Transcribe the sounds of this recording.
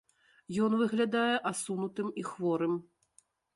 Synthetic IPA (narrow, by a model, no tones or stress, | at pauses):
jɔnvɨɣlʲad̪ajɛʔasunut̪ɨmixvɔɾɨm